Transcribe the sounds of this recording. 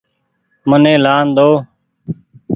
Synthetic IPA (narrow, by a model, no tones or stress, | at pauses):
mənẽːlaːnd̪oː